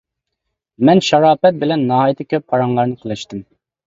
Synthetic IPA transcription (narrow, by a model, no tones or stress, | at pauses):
mɛnʃɑɾɑːpɛt̪̚bɪlɛnːɑːɦɑjt̪ʰɪkʲøpʰːɑɾɑŋlˠɑɾnɨqʰəlˠɪʃt̪ɪm